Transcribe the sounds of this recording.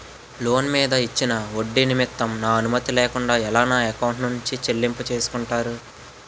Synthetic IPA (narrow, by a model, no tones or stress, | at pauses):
lo̞ːnmiːd̪ɐit͡ʃːinɐo̞ɖːinimit̪ːɐmnaːɐnumɐt̪ilɛːkuɳɖaːɛlaːnaːekɐwuɳʈnuɲt͡ʃit͡ʃeɭːimput͡ʃe̞ːsu̥kuɳʈaːɾu